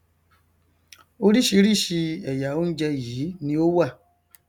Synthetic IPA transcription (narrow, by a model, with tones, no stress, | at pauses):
o˦ɾi˦ʃi˦ɾi˦ʃi˧ɛ˨ja˨o˦n̩˦d͡ʒɛ˦ji˨˦nĩ˦o˦wa˦˨